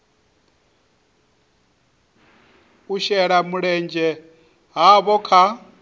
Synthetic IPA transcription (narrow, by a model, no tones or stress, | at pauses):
uʃɛɺamuɺɛnd͡ʒɛ | ɦaβɔkʰa